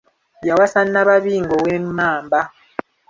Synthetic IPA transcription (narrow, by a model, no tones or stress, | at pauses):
jawasanaβaβiŋɡɔwɛmmaːmba